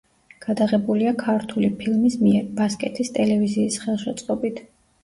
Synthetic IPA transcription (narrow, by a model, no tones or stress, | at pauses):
ɡ̥ad̪aʁɛbuliakʰaɾt̪ʰulipʰilˠmismiɛɾbaskʼɛt̪ʰist̪ʼɛlɛviziːsχɛlˠʃɛt̪sʼqʼɔbit̪ʰ